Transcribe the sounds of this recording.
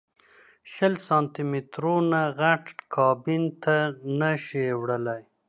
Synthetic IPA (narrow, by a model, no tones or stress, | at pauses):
ʃəlsɑ̃ːnt̪imɪt̪ɾonaɣaʈkʰɑbɪnt̪anaʃewɽəlaj